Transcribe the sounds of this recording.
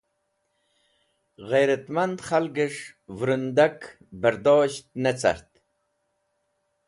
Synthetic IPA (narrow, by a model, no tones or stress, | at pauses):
ʁejɾat̪mand̪χalɡiʂvɾund̪ak | bəɾd̪oːɕt̪̚net͡sa̰ɾt̪